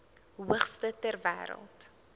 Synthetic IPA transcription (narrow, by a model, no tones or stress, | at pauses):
ɦuəχstətærvæ̰ːɾə̰lˠt